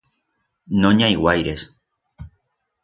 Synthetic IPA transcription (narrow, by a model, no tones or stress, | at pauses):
nõɲajɣwajɾes